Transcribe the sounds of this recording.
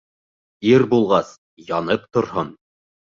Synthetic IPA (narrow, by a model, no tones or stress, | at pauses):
iɾbulˠʁɑs | jɑnɤpt̪ŏɾɦon